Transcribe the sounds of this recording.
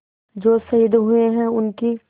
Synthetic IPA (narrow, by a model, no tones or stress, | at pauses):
d͡ʒoːsɐjəd̪ɦueɦɛ̃ʊnki